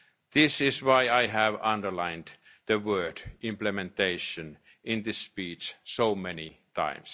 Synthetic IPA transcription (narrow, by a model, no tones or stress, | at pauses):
ð̥ɪsɪswaɪaɪɦæʋʌ̃ndə˞lãɪ̃nd̪ | ð̥əwɜːdɪ̃mplɛmɛ̃nt̪eɪʃə̃n | ɪ̃nðɨspiːt͡ʃsoʊmɛnit̪ʰã̰ɪ̃ms